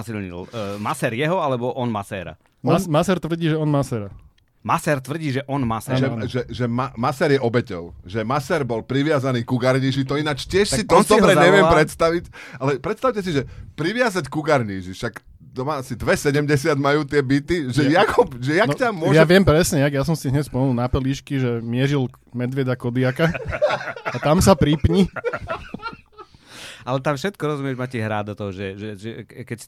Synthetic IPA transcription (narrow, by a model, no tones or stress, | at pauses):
silɲḭlmasɛːɾjɛɦɔalɛbɔʔɔnmasɛːɾa̰ | masɛɾt̪ʋr̩ɟiːʒɛɔnmasɛɾa | masɛːɾt̪ʋr̩ɟiːʒɛʔɔnmasɛʒɛʒɛʒɛmamasɛɾjɛʔɔbɛcɔʊʒɛmasɛːɾbɔlpɾiʋɪazaniːkuɡaɾɲiːʒit̪ɔinat͡ʃcɪɛʃssit̪ɔd̪ɔbɾɾɛɲɛʋɪɛpɾɛt̪st̪aʋicalɛpɾɛt̪st̪aʊcɛsiʒɛpɾiʋɪazackuɡaɾɲiːʒiʃak | t̪ɔmaasid̪ʋɛsɛɟɛmɟɛsɪad̪majuːt̪ɪɛbit̪iʒɛjakɔpʒɛjakntamʊɔjʒaɛʋɪɛmpɾɛsɲɛjaɡjas̬ɔmsiɦɲɛsspɔmɛnilˠnapɛliːʃkiʒɛmɪɛʒil | mɛd̪ʋɪɛd̪akɔd̪iaka | at̪amsapɾipɲi | alɛt̪amfʃɛt̪kɔɾɔzumɪɛʒmaciɦɾa̰ːd̪ɔt̪ɔɦɔʒɛʒɛʒɛkɛc